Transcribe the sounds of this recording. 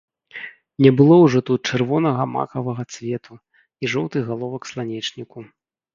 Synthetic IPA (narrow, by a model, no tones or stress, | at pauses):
nʲɛbɨlˠɔwʐɔt̪ut̪̚t͡ʂɛrvɔnɐɣɐma̰kɐvɐɣɐt̪svʲɛt̪ʰu | iʐɔwt̪ɨɣalˠɔvɐkslˠanʲɛt͡ʂnʲiku